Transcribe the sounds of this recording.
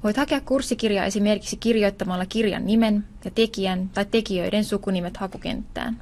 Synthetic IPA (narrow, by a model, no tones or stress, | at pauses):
ʋo̞jt̪hɑke̞ɑkːursːikirjɑ̰ːʔe̞sime̞rki̥ksik̟irjo̞jt̪ːɑmɑlːɑkirjɑ̰nːime̞n | jɑt̪e̞kiænt̪ɑjt̪ːe̞kiø̞̰jde̞nsukunime̞t̪hɑkuk̟e̞̰nt̪ːæ̰ːn